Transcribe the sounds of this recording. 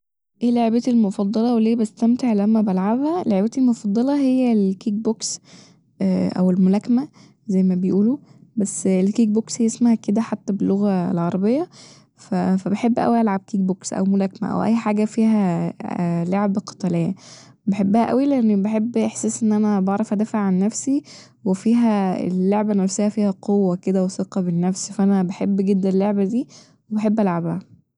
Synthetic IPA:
ʔeːleʕebæelmofɑd̪ˤːɑlɑweleːbest̪æmt̪eʕlæmːæbælʕabhæleʕebæt̪elmofɑd̪ˤːɑlɑɦejːælkiːk̚boks | ʔʔæ̰welmolækæmæ | zæjːmæbejʔuːlubæsːelkiːk̚boksjesmahæked̪æħat̪ːæbelːoɣæḛlʕɑɾˤɑbejːɑ | fæfæbeħebːʔæ̰wiʔælʕab̚kiːk̚boksʔæ̰wmolækːmæ̰ʔæ̰wʔæ̰jːħaːɡæfiːɦæ | loʕebqɑ̥t̪ˤɑlejːæ | beħebːæhæʔæ̰wileʔenːibeħebːʔeħsæːsʔenːʔænæbɑʕɾˤɑfʔæd̪æːfaʕʕanːæfsi | wefiːɦæḛlːoʕbænæfsejːæfiːhæqʰowːæked̪æweseqɑbenːæfsfæʔænæbeħebːɡed̪ːænelːoʕbæd̪iː | webeħebːʔælʕabæhæ

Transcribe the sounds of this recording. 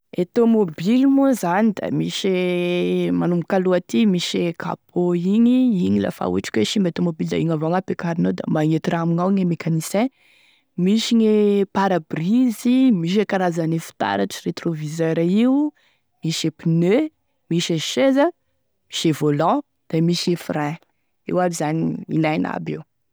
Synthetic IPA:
et̪omobilimuzanid̪a̰miʃe | manumukaluat̪imiʃekʰa̰pʰoiɲiiɲila̰fa̰ṵʈ͡ʂkʲweʃimbet̪omobild̪a̰iŋavoŋapekaɾinod̪a̰maŋet̪iraamiŋawiŋemekʰanisɛ̃ | miʃiɲepaɾabrizimiʃ̬ekaɾazanefi̥t̪a̰ɾaʈ͡ʂəret̪rovizɛɾaiu | miʃepinø | miʃeʃezə | mi̥ʃevolɔ̃ | d̪̥amiʃiefɾɛ̃ | ḛwaɾizaniḭlajna̰bḛw

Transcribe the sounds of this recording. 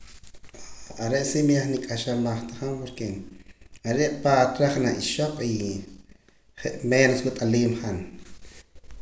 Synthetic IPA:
aɾeʔsimijaχnikʼaʃalmaχt̪ḁχampoɾke | aɾeqʼpat̪ɾaχnaʔiʃoqʼi | χeʔmeːnoswut̪ʼaliːmχan

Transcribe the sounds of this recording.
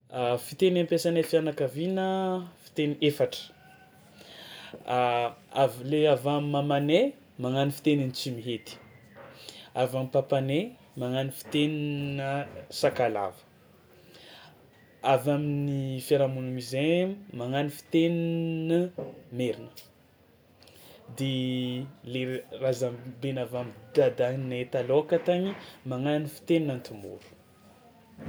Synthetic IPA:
fit̪enampesanefianakavinəfi̥t̪eniefaʈ͡ʂə̥ | avleavamimamane | maŋanifi̥t̪eninit͡simiɦet̪i̥ | avamipapane | maŋanifi̥t̪eninəsakala̰və̥ | avaminifaɾamunumizemaŋanifi̥t̪eninəmeɾinə̥ | d̪e | lerazambenavamid̪ad̪aɦnnaet̪aloakat̪aɲimaŋanifi̥t̪eninant̪umṵɾu̥

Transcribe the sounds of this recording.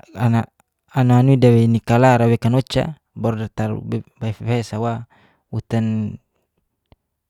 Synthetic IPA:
ana | anaanuidawɛnikalaɾawɛkanot͡ʃa̰ | bɔɾdart̪aɾ̰baifebeɛsawa | ut̪an

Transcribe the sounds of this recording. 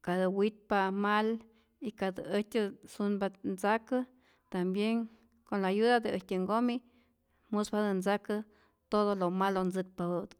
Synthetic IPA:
kad̪ɨwit̪̚pamal | ikad̪ɨetʲɨsunbant͡sakɨ | t̪ambjeŋ | konlajud̪ad̪ɨetʲɨŋɡomi | musbad̪ɨnt͡sakɨ | t̪oðolomalond͡zɨk̚paɨd̪

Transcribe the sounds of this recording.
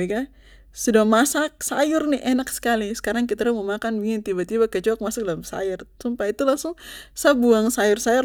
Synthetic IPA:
ika | sudamasak̚sajʊrnɪʔɛnaksə̥kalisə̥kaɾaŋk̬it̪aɾaməmakanbiŋɪnt̪ibat̪ibakət͡ʃuak̚masak̚dalamsa̰jʊrsumpait̪ulaŋsʊŋsabuaŋsajʊrsajʊr

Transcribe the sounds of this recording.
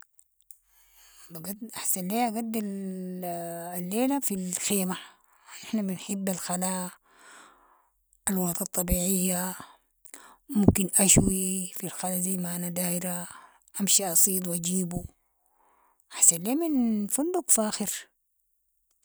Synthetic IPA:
baɡadʔaħsanleːʔaɡad̪ːal | alːeːlafilxeːma | ʔɪħnabinħɪbːalxalaː | alwɑt̪ˤɑt̪ˤːɑbiːʕijːa | mumkinʔaʃwifilxalazajːmaʔanad̪aːiɾa | ʔamʃiʔɑsˤiːd̪ˤwad͡ʒiːbu | ʔaħsanleːminfund̪ukfaːxiɾ

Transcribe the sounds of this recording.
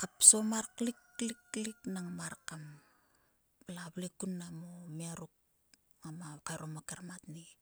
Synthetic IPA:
kapsomaɾkliklikliknaŋmaɾkam | plaβlekunːamomiaɾuk̚ | ŋamakaɾomakaɾmatni

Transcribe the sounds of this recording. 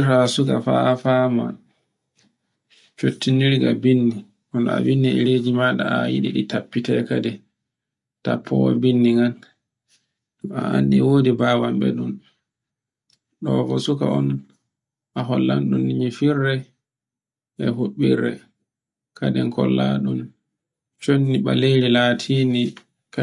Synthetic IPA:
ɾasukafa̰fama | t͡ʃotːiniɾɡabinːi | ʔɔna̰winːɛɛled͡ʒimaɗa̰ajḭɗiɗitapːitɛkadɛ | tapʰːɔwa̰binːiŋɡan | a̰ʔandiwoːdibawambɛ̰ɗun | ɗɔvosuka̰ɔn | ʔaɦɔlːanɗunːimifirːɛ | ʔɛɦuɓːiɾːɛ | kadɛŋkɔlːaɗum | t͡ʃonːiɓaleɾilaːtʰiːni | ka

